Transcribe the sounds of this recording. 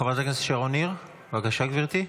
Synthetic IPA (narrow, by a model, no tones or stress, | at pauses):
avat̪aknese̥ʃeʁoniʁ | vakaʃaɡviʁt̪i